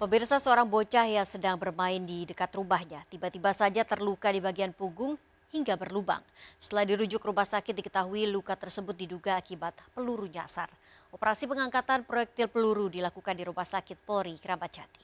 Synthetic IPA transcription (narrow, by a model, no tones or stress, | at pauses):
pəmbirsasəoɾaŋbot͡ʃahjasədaŋbərmaɪndidəkat̪rubahɲat̪ibat̪ibasad͡ʒat̪ərlukadibaɡianpuɡʊŋ | hiŋɡabərluba̰ŋsə̥t̪əladiɾud͡ʒʊkrubahsakɪt̪̚dikə̥t̪aɦuilukat̪ərsəbʊt̪̚diduɡaːkibat̪̚pəluɾuɲasa̰r | opəɾasipəŋaŋkat̪anpɾojɛk̚t̪ɪlpəluɾudilakukandiɾubahsakɪt̪̚poɾikɾampat͡ʃʰat̪i̥